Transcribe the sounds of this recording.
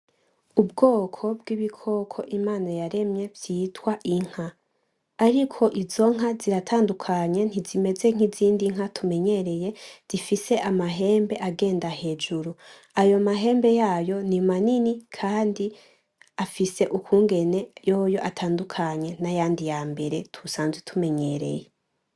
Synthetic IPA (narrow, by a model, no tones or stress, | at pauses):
ubɡo̞ːkʰo̞bɡiβikʰo̞kʰo̞ʔimaːnajaɾe̞mɲe̞bjiːtwaʔiŋ̥haː | ɾikʰo̞ʔizo̞ŋ̥aziɾatʰaːndukʰaɲe̞n̥izime̞ze̞ŋ̥iziːndiŋ̥hatʰume̞ɲe̞ɾe̞je̞z̥ifise̞ʔamaɦe̞ːmbe̞ʔaɡe̞ːndahe̞ːd͡ʒuɾu | ajo̞maɦe̞ːmbe̞jaːjo̞nimaninikʰaːndi | afise̞ʔukuːŋɡe̞ne̞joːjo̞ʔatʰaːndukʰaɲe̞najaːndijaːmbe̞ɾe̞tʰusaːnzwetʰume̞ɲe̞ɾe̞̰je